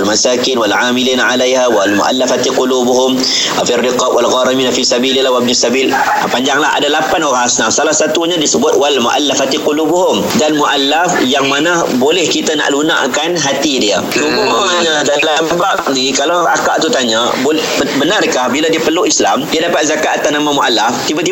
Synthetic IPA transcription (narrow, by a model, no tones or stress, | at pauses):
almasakɪnwalʕamiliːnaʕalajɦawalmṵʔa̰lːafat̪iqulubuɦʊm | firːiqɑbwʔalɣaɾiminafisabililawab̚nisabil | ʔa̰paɲd͡ʒaŋlaɦa̰dalapanoɣaŋhasnafsalahsat̪uɲadisəbʊt̪̚walmṵʔa̰lːafat̪iqulubuɦʊm | danmuʔalːafjaŋmanahbolɛhkit̪ana̰ʔluna̰ʔkanɦat̪idiə | suɡu | aɲadalammbaʔnikalaaka̰ʔt̪ut̪aɲa | bo | bənarkahbiladiəpəluʔisla̰mdiadapat̪̚zakaʔat̪ahnamãmuʔalːaft̪ibat̪i